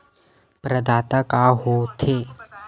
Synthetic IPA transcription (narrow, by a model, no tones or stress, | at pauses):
pɾɐd̪aːt̪akaɦot̪ʰeː